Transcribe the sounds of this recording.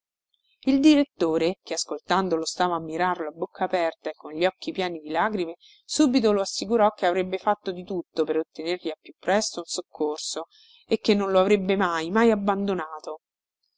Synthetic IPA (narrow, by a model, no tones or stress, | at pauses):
ild̪iɾet̪ːoːɾek̟easkolt̪and̪olost̪aːvaːmːiɾarloabːokʰːaːpɛrt̪aekːonʎiɔkːipjaːnid̪ilaːɡɾime | suːbit̪̬oloasːikuɾɔkːeavɾebːefat̪ːod̪it̪ut̪ːopeɾot̪ːenerʎiapːjupːɾɛst̪ounsokʰːorso | ekːenːõnloavɾebːemajmajabːand̪onaːt̪o